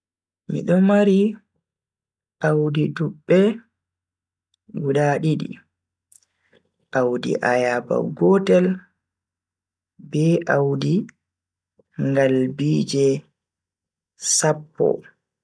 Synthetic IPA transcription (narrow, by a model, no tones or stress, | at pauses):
mḭɗɔmaɾi | ʔawdidubːɛ | ɡuɗaɗiɗḭ | ʔawdḭʔajaba̰ɡɔtɛl | bɛʔawdi | ŋɡalbiːd͡ʒɛ | sapːɔ̰